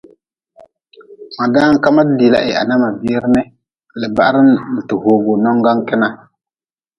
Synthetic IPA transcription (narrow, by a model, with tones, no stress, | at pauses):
ma˨daː˦ŋ˦ka˦ma˦di˨la̰˦ʔɪ˨a̰˨na˦ma˨bi˦ɾnɪ˦ | lɪ˨ba˨ʔɾɪ˦nn̩˨tɪ˨hoː˨ɡo˨nɔ˦ŋɡa˦ŋ˦kɪ˦na˦